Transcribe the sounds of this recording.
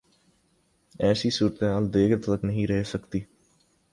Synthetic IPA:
ɛːsiːsuːɾt̪ːaːld̪eːɡɾt̪ələknəɦĩːɾɛɦeːsəkt̪iː

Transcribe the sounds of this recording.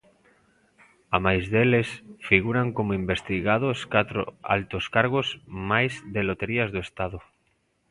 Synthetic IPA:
amajzðelesfiɣ̞uɾaŋkomoimbest̪iɣaðoskat̪ɾo̰a̰lt̪oskaɾɣozmajzðelot̪eɾiazðoest̪aðo

